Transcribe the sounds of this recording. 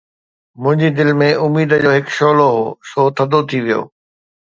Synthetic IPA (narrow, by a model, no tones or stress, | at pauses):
mʊ̃ɦɪ̃ɲd͡ʑid̪ɪlmẽʊmiːd̪əd͡ʑoːɦɪkʃoːloɦoːsoːt̪ʰɐd̪ot̪ʰiʋijo̰ː